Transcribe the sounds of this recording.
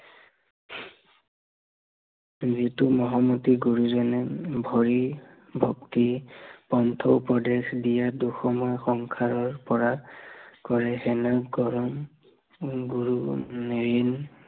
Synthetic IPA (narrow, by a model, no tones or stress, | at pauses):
zitumɔɦɔmɔtiɡuɹuzɔnɛbʱɔɹi | bʱɔktipɔntʰɔpɔdexdijaduxɔmɔjxɔŋkʰaɹɔɹpɔɹakɔɹɛɦɛnaɡɔɹɔm | ɡuɹunɹin